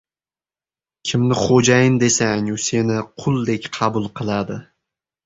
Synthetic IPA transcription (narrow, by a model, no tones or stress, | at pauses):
kʲʰɪmnɪχod͡ʒajɪmd̪e̞saŋʊse̞nɪqʰʊlˠd̪e̞kʲqʰɑbʊlˠqʰɨlˠad̪ɪ